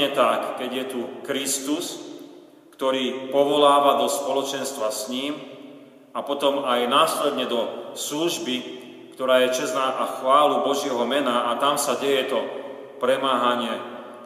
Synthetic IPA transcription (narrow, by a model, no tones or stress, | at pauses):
ɛt̪akːɛɟjɛt̪ukɾist̪us | kt̪ɔɾiːpɔʋɔlaːʋad̪ɔspɔlɔt͡ʃɛnst̪ʋasɲiːm | apɔt̪ɔmajnaːslɛd̪ɲɛd̪ɔsluʒbi | kt̪ɔɾaːjɛt͡ʃɛznaːʔaxʋaːlubɔʒɪɛɦɔmɛnaːt̪amsaɟɛjɛt̪ɔ | pɾɛmaːɦaɲɪɛ